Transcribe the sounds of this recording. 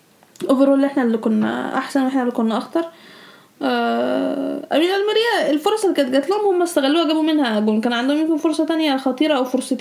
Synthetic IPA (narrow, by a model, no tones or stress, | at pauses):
ʔoveɾoːlːʔeħnælːikonːæ̰ʔa̰ħsænwʔeħnælːikonːæʔɑxt̪ɑɾˤ | ʔæ | ʔæmiːnʔælmæɾijæelfoɾˤɑsˤelːikæt̪̚ɡæt̪lohomhomːæst̪æɣælːuːhæɡæːbumenhæʔæɡuːnkæːnʕand̪æhomemkenfoɾsˤɑt̪ænjæxɑt̪ˤiːɾɑʔæwfoɾˤsˤet̪